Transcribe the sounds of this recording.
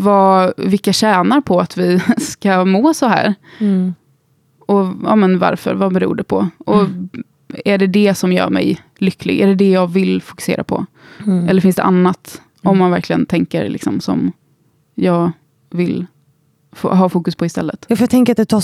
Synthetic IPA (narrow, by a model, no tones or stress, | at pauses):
vɑvɪlkːaɕæːnaɾpʰɔat̪vɪskamoːsɔɦæ̰ːɾ | ɔɑ̰ːmənva̰ɾfœ̰ɾvabɛɾṵːɖɛpʰɔ̰ʔɔ | æɖɛd̪ɛsɔmjœ̰ːɾmɛ̰j | lʏkːlɪ̰ɡæɖɛd̪ɛjɑːɡvɪlfʊ̥kɵ̥sḛːɾʔa̰pʰɔ̰ | ɛlːəɾfɪnsd̪ɛ̰ʔanːat̪ | ɔmːanvæɾkʰlɪɡə̰nt̪ʰɛŋkə̰ɾlɪ̰ksɔmsɔ̰m | jɑːɡ | vɪl | fɦɑːfuːkɵspʰɔɪst̪ɛlːət̪jɑfəɾjat̪ʰɛŋkəɾat̪d̪ɛt̪ʰɑː